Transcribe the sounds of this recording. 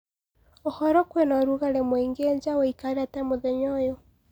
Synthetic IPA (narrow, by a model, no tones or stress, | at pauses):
ohɔɾɔkwenɔɾuɣaɾɛmweŋɡeɲd͡ʒaweikaɾatamoðɛɲɔjɔ